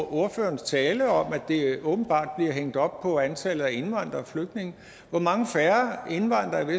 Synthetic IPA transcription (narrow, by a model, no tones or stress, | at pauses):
o̝ɐfø̰ːɐnst͡sʰɛːləɒ̽mæ̥d̥e̝ɔ̽ːb̥n̩b̥ɑ̰̈ːd̥̚b̥liɐɦeŋ̰d̥ɒ̽b̥pʰɒ̽ænt͡sʰælð̩ˠæe̝nʋɑ̈n̰d̥ʁɐɒfløɡ̥̚d̥ne̝ŋə | ʋɒmɑ̈ŋəfæɐe̝nʋɑ̈n̰d̥ʁɐiʋe